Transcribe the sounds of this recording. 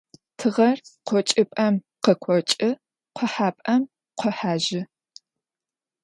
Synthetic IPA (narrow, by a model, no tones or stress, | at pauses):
tʰɨʁɐrqʷɔt͡ʃʼɪpʼɐm | qəkʷʰɔt͡ʃʼɪ | qʷʰɔħaːpʼɐm | qʷɔħaːʒɪ